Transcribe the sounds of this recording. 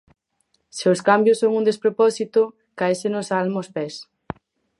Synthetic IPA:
sewskambjʊsːoŋund̪espɾopɔsit̪ʊ | kaesenosalmospes

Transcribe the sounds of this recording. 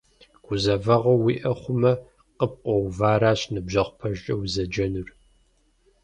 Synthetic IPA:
ɡ̥ʷʊzɐvɐʁɐwiʔɐχʷʊmɐ | qəp̚qʷʼɔwvaːɾaːɕnɨbʑɐʁʷpʰɐʒʼɐwzɐd͡ʒɐnur

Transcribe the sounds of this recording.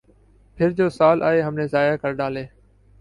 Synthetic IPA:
pʰɪɾd͡ʑoːsaːlʔa̰ːɦeːɦəmnẽːzaːjaːkəɾɖaːleː

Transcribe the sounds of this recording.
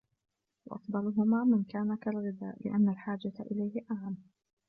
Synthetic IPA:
wɑ̰ʔɑ̰fd̪ˤɑlʊɦʊmaːmɪnkaːnakalɣɪd̪a̰ːʔlɪ̰ʔanːalħaːd͡ʒat̪ʔɪ̰lajhɪʔaʕan

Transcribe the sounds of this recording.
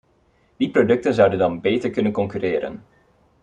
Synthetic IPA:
diprodɵk̚tənzʌwdəndɑnbejtəɹkɵnənkɔŋkyɾɪːɾə̰n

